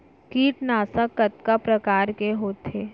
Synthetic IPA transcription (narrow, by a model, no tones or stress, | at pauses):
kiːʈnaːsakːɐt̪kapɾɐkaːɾkeɦoːt̪eː